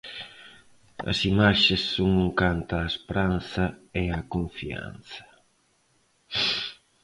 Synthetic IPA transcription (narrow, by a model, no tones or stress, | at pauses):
ɐ̰simaʃesːoŋoŋkant̪aːspɾan̟θɐeɐkoɱfia̰n̟θɐ̥